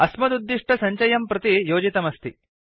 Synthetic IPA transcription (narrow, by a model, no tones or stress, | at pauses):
ɐsmɐd̪ud̪ːiʂʈʰɐsɐɲt͡ʃɐjɐmpɾɐt̪ijoːd͡ʒit̪ɐmɐst̪i